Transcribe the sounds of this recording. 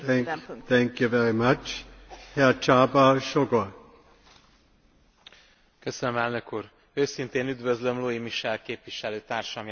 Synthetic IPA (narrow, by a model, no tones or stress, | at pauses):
t̪ɛ̃ŋkjuvɛɾimat͡ʃhɛt͡ʃaːbaʃoɡo | køsønømɛlnø̞kuːɾ | øːsint̪eːnyd̪vøzlø̞mloimiʃɛlkeːpʋiʃɛløːt̪aːrʃɒmj